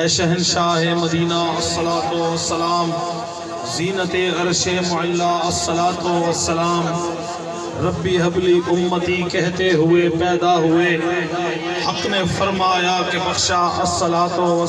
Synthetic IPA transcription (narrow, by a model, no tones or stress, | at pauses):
ɛʃɐɦɪnʃaːɦemɐd̪iːnaɐsːɐlaːt̪oɐsːɐlaːm | ziːnət̪eɐɾʃemʊʕɪlːaɐsːɐlaːt̪oɐsːɐlaːm | ɾɐbːiɦɐbliʔʊmːət̪ikɛɦt̪eɦʊepɛːd̪aɦʊe | ɐknefɐɾmaːjakebɐxʃaɐsɐlaːt̪oɐ